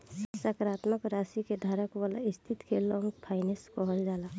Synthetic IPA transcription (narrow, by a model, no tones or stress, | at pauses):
ssəkɾaːt̪məkɾasiked̪ʱaːɾəkʋala̰ist̪ʰit̪kelɔ̃ŋɡpʰaɪneskɔɦəld͡ʒaːla